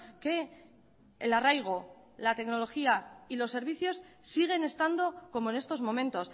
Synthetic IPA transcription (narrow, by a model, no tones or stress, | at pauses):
ke̞ | elarajɣ̞o | lat̪e̞kno̞lo̞xiailo̞sːe̞ɾβiθjo̞s | siɣ̞e̞ne̞st̪and̪o̞ko̞moene̞st̪o̞zmõ̞mẽ̞nt̪o̞s